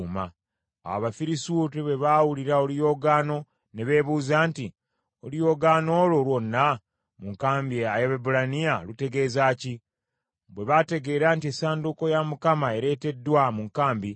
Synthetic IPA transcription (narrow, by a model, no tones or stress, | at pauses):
ma̰ | a̰βafiɾisuːtiβwe̞βaːwuliɾaolijo̞ːɡaːno̞ | ne̞βe̞ːβuːzaːnti | olijo̞ɡano̞ːlo̞lwo̞nːa | muŋkaːmbiajeβebulanijalute̞ɡe̞ːzaːci | βwe̞βate̞ɡe̞ːɾaːntiesaːnduko̞jamukamae̞ɾe̞ːte̞dːwamuŋkaːmbi